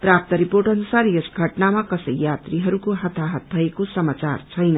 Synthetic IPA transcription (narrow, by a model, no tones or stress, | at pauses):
prap̚t̪ʌɾiporʈʌnusarjesɡʱʌʈnamakʌsʌjjat̪riɦʌɾukoɦʌt̪ʰaɦʌt̪̚bʱʌekosʌmat͡sa̰rt͡sʰʌjnʌ